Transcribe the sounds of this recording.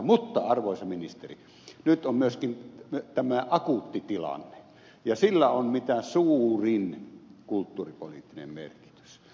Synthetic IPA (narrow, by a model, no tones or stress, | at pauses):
mut̪ːɑɑrʋoˑesɑminist̪erḭ | nyt̪ʔommyøskint̪æmæʔɑkut̪ːit̪ilɑ̰nːe̥ | jɑsilːæommit̪æsuːrinkult̪ːuːripo̰lit̪ːinḛmmḛrki̥t̪y̥s